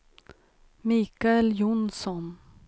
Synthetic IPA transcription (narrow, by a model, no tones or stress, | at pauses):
miːkaɛljʊnsɔn